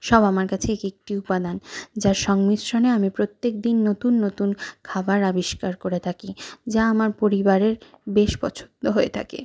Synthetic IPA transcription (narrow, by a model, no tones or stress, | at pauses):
ʃɔbamaɾkat͡ɕʰeekek̚ʈiupad̪and͡ʑaɾʃɔŋmiʃoneamipɾot̪ːek̚d̪inːot̪unːot̪unkʰabaɾabiʃkaɾkoɾet̪ʰakid͡ʑaamaɾpoɾibaɾeɾbeʃbɔt͡ɕʰo̥nt̪oɦoet̪ʰa̰kḛ